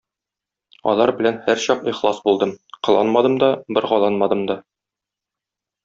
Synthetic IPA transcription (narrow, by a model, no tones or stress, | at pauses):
ɒ̰lˠɑɾbɘ̆lænhæɾɕɒqiχlˠɑsbulˠd̪ɤmqɤ̆lˠɑ̰nmɑd̪ɤmd̪ɒbɘ̆ɾʁɒlˠɑnmɑd̪ɤmd̪ɒ